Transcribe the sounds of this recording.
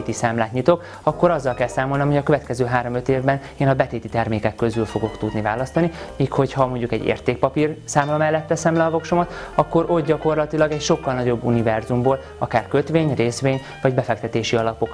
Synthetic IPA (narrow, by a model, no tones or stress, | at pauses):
t̪isaːmlaːt̪ɲit̪o̞k | ɒkːo̞ɾɒzːɒlkɛlsaːmo̞lnomho̞ɟɒkøvɛt̪kɛzøːɦaːɾo̞mø̞t̪eːvbɛn | eːnɒbɛt̪eːt̪it̪ɛrmeːkɛkːø̞zylfo̞ɡo̞kt̪ud̪nivaːlɒst̪ɒnimiːkho̞chɒmo̞ɲɟukɛɟːḛːrt̪eːk̚pɒpirsaːmlɒmɛlːɛt̪ːɛsɛmlɛɒvo̞kʃomɒt̪ɒkːo̞ɾʔo̞t̪̚ɟɒko̞rlɒt̪ilɒɡɛcʃo̞kːɒlnɒɟo̞bːunivɛrzumboːl | ɒkaːrkøt̪ʋeːɲreːsʋeːɲ | vɒɟbɛfɛk̚t̪ɛt̪eːʃiɒlɒpo̞k